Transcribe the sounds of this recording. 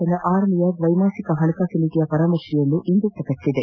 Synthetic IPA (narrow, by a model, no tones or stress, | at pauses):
ɐnɐʔaːɾlijɐɾʋɐjmaːsikɐɦɐɳɐkaːsiliːʈijɐpɐɾaːmɐɾʂijɐnːuʔind̪ut̪ːɐkɐt͡ʃːid̪e